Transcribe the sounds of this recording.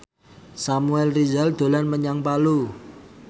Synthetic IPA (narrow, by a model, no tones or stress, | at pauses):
samuɛlrizald̪̥o̤lanməɲaŋpalu